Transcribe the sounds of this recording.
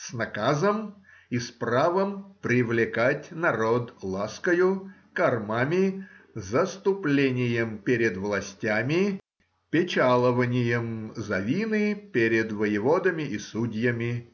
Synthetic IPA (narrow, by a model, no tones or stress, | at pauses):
snɐkazəm | ispravəmpɾʲɪvlʲɪkatʲnɐɾod̪lˠaskəjʊ | kɐrmamʲɪzəst̪ʊplʲenʲɪjəmpʲeɾʲɪd̪vlˠɐsʲtʲamʲɪ | pʲɪt͡ɕalˠəvənʲɪjəmzɐvʲinɨpʲeɾʲɪd̪vəjɪvod̪əmʲɪʔisudʲjəmʲɪ